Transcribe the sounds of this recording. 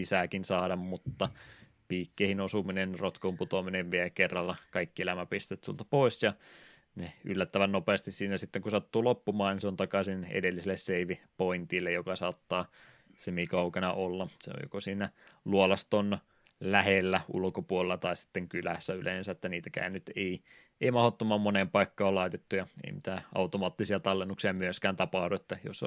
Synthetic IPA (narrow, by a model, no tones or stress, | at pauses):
isækinsɑːdɑmmut̪ːɑ | piːkːeihinosuminenrot̪komput̪omineʋʋielkerːɑlːɑkɑikːielæmæpist̪et̪sṵlt̪ɑpoisjɑ | neylːæt̪ːæʋænnopeːst̪issiːnæsit̪ːeŋkusɑt̪ːuːlopːumɑːnniseont̪ɑkɑsinḛdelːisilːesseiʋipoint̪ilːejokɑsɑːt̪ːɑː | semikɑukɑnɑʔolːɑsḛo̰jo̰kosiːnæluolɑst̪on | læhelːæṵlkopuolelːɑt̪ɑisi̥t̪ːeŋkylæ̰sːæylḛːˑnsæet̪ːæniːt̪ækæ̰ːnyt̪ei | eimɑhot̪ːomːɑmmonempɑikːɑolɑit̪et̪ːujɑḛimit̪æːʔɑ̰ut̪omɑːt̪ːisiɑt̪ɑlːenːuksiɑmyøskæːnt̪ɑpɑhduet̪ːæjo̰s